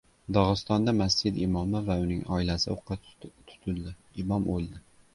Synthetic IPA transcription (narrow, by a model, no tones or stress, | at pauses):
d̪ɒʁɨst̪ɒnd̪amasd͡ʒɪd̪ɪmɒmɪvaʊnɪŋɒɪlasɪoqʰːɨt̪ʰʊ̥t̪ʰʊld̪ɪɪmɒmolˠd̪ɪ